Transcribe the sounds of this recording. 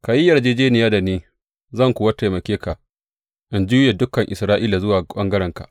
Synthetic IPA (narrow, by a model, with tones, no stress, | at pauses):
ka˨ji˦jɐ˨rd͡ʒeː˦d͡ʒeː˦nɪ˨jaː˦da˨niː˦ | zɐ˦˨ŋkʷʊ˨wa˦ta˨mɐ˨kʲeː˦ka˨ʔ | ʔɪ˦nd͡ʒuː˦je˨dʊ˦kːɐ˨ŋʔɪ˨sɾaː˦ʔiː˦la˨zʊ˦waː˨k͡pɐ˦ŋɡɐ˦ɽɛ˨ŋka̰˨ʔ